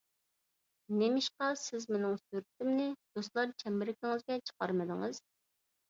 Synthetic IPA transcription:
nemɪʃqɑsɪzmenɪŋsyɾɪt̪ɪmnɪd̪̥ost̪lˠɑɾt͡ʃʰɛmɪɾɪkʲɪŋɪzɡʲɛt͡ʃʰə̥qɑɾmɨd̪ɨŋɨz̥

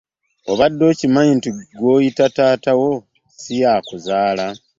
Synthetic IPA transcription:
o̞βadːo̞ːcimaintiɡo̞ːjitataːtawo̞ | sijaːkuzaːla

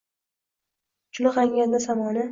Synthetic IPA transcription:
t͡ʃʰʊlɪqaŋɡʲand̪asamɒnɪ

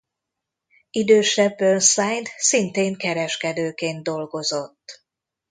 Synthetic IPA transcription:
id̪øːʃɛbːønsaːjt̪sint̪eːŋkɛɾɛʃkɛd̪øːkeːnd̪̚d̪o̞lɡo̞zo̞t̪ː

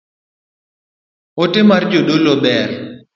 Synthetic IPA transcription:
otɪmard͡ʒodolobɛr

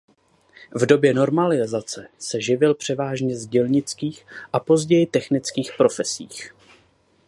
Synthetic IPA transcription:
vdo̞bjɛno̞ɾmalɪzat͡sɛsɛʒɪvɪlpr̝̥ɛvaːʒɲɛzɟɛlɲɪt͡skiːxʔapo̞zɟɛjɪt̪ɛxnɪt͡skiːxpɾo̞fɛsḭːx

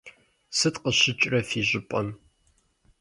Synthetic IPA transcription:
sɨtqəɕɪt͡ʃʼrɐfiːʑɪpʷʼɐm

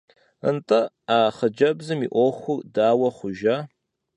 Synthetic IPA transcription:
ə̰ntʰʼɐ | aːχəd͡ʒɐbzɨmḭʔʷɔxʷʊrdaːwɐχʷʊʒa

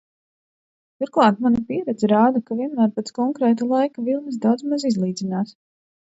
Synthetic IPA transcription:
t̪uɾklˠɑːt̪manipiɛɾɛd̪zɛɾaːd̪akaviɛnmæːɾpɛt̪skɔŋkɾɛːt̪̬alˠajkavilˠnɨsd̪awd̪zmazizlˠiːd̪zʲinaːs

